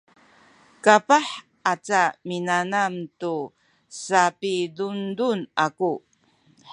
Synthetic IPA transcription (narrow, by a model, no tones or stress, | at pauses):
kapaħ | at͡saminanamtu | sapidundunaku